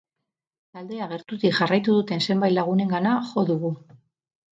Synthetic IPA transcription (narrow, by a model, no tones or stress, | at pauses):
t̪ald̪e̞aɣ̞e̞ɾt̪uðikʝarajt̪uðut̪e̞nse̞mbaj̪laɣ̞une̞ŋɡanaxo̞ðuɣu